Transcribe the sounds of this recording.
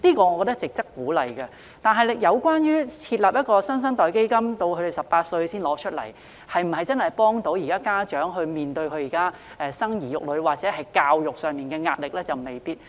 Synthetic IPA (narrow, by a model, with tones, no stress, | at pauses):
liː˥kɔː˧ŋɔ˨˧kɔː˧t̪ɐ˥k̚t͡sɪ˨k̚t͡sɐ˥kːuː˨˥lɐ˨jkɐ˧ | t̪aː˨˩nɦɐ˨jjɐ˨˧wkwaː˥njyː˥t͡sʰiː˧t̚laː˨˩p̚jɐ˥t̚kɔː˧sɐ˥ns̬ɐ˥ŋt̪ɔː˨˩jke˥jkɐ˥mt̪o˧wkʰɵ˨˧ɾe˨˩sɐ˨ppaː˧t̚sɵ˧ɥsiː˥nlɔː˨˥t͡ʃʰɵ˥t̚lɐ̰˨˩j | hɐ˨jm̩˨˩hɐ˨jt͡sɐ˥nhɐ˨˩jpɔː˥ŋt̪o˨˥wjiː˨kaː˥kaː˥t͡ʃœː˨˥ŋɦɵ˧ɥmiː˨nt̪ɵ˧ɥkʰɵ˧ɥjiː˨˩kaː˥ | ʔɛ˧sɐ˥ŋjiː˨˩jʊ˨k̚lɵ˨˧ɥwaː˨t̚t͡sɛː˨˥ɦɐ˨jkaː˧wjʊ˨k̚sœː˨˩ŋmiː˨nkɛː˧ŋaː˧t̚lɪ˨k̚lɛː˥t͡sɐ˨wme˨˩jpiː˥t̚